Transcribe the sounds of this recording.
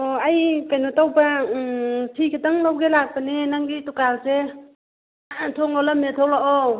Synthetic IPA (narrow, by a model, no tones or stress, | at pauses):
oajkajnɔtawba | tʰikʰitaŋlawɡelak̚panenaŋɡitukalse | tʰoŋɔlametʰɔwlaʔɔ